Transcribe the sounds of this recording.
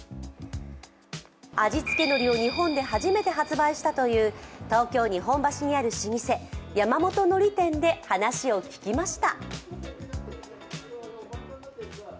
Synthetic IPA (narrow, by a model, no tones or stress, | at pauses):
ad͡ʑit͡sɨ̥ke̞no̞ɾʲio̞ɲ̟iɦõ̞nd̪e̞ɦaʑime̞t̪e̞ɦat͡sɨbaiɕi̥t̪at̪o̞jɯ̟ːt̪o̞ːkʲo̞ːɲ̟iɦõ̞mbaɕiɲ̟iaɾɯ̟ɕiɲ̟ise̞jamamo̞t̪o̞no̞ɾʲit̪ẽ̞nd̪e̞hanaɕio̞kʲi̥kʲimaɕi̥t̪a